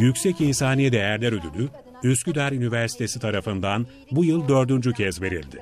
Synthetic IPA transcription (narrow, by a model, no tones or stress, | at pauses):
jycʲsɛcinsaːnijɛd̪ejæɾlʲɛɾød̪ylʲy | yscyd̪æɾynivæɾsi̥t̪ʰe̞sit̪ʰaɾafɯnd̪an | bujɯlˠd̪ø̞ɾd̪ynd͡ʒycʰɛzve̞ɾḭlʲd̪ɪ